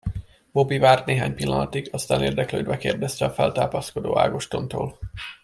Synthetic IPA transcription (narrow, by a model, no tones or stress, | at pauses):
bo̞bivaːrt̪neːɦaːɲpilːɒnɒt̪iɡɒst̪aːneːrd̪ɛkløːd̪bɛkeːrd̪ɛst̪ɛɒfɛlt̪aːpɒsko̞d̪o̰ːa̰ːɡoʃt̪o̞nt̪oːl